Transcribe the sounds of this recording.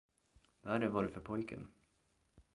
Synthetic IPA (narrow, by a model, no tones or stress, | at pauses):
væɖɛvaɖɵfœɾpʰɔjkʰə̰n